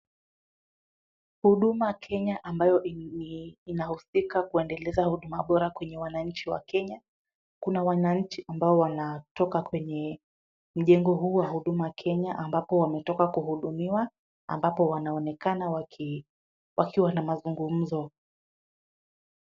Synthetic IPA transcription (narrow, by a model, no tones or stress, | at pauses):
huɗumakʰɛɲaʔambajɔ | inahusikakuɛndɛlɛzahuɗumaɓɔɾakwɛɲɛwanaɲ̩t͡ʃiwa̰kɛɲa | kunawanaɲ̩t͡ʃiʔambaɔwanatɔkakwɛɲɛ | m̩ʄɛŋɡɔɦuːwahuɗumaakʰɛɲaʔambapɔwamɛtɔkakuhuɗumiwa | a̰mbapɔwanaɔnɛkanawa | wʔakiwanamazuŋɡum̩zɔ